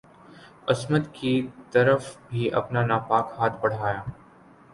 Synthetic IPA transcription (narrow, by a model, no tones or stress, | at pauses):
ɐsmət̪kit̪ɐɾəfbʱiʔɐ̰pnanaːpaːkhaːt̪ʰbɐɽ̤aːjaː